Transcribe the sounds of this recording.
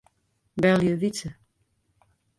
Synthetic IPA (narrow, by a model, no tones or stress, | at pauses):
bɛljəvit͡sə